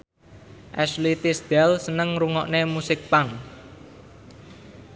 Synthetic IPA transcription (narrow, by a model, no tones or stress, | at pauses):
ʔɛslit̪ɪsd̪̥ɛlsənəŋɾuŋɔʔnemusɪk̚paŋ